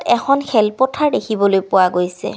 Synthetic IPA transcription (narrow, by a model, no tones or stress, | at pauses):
tɛxʰɔnxɛlpɔtʰaɹdexʰibɔlojpʊwaɡojsɛ̰